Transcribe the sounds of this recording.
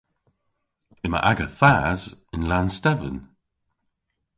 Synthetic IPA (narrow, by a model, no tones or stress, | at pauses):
ɪmə̰ʔaɡəθaːzɪnlanstɛvə̰n